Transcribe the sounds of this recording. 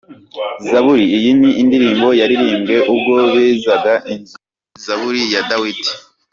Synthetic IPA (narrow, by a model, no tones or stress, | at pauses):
zaβuɾiːjiniʔindiɾiːmbo̞jaɾiɾiːŋɡe̞ʔub̚ɡo̞βeːzaɡaʔinz | zaβuɾijadawiti̥